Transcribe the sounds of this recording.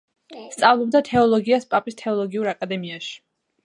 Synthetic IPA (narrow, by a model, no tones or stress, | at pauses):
st̪sʼavlˠɔb̚d̪at̪ʰɛɔlˠɔɡiaspʼapʼist̪ʰɛɔlˠɔɡiuɾakʼad̪ɛmiaʃi̥